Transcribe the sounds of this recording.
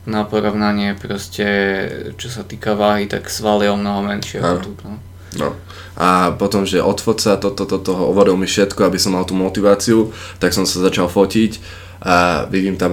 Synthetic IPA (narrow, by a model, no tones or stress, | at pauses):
napɔɾɔʊnaɲɪɛpɾɔscɛt͡ʃɔsat̪iːkaʋaːɦit̪a̰ksʋaliɔmnɔɦɔmɛnʃɪɛant̪ut̪nɔ | nɔ̰ | ʔapɔt̪ɔmʒɛʔɔt̪fɔt̪t͡sat̪ɔt̪ɔt̪ɔt̪ɔɦɔɔʋɔɾilmifʃɛt̪kɔabisɔmːalt̪uːmɔt̪iʋaːt͡siut̪aksɔmsazat͡ʃalfɔcic | ʔaʋiɟiːmt̪am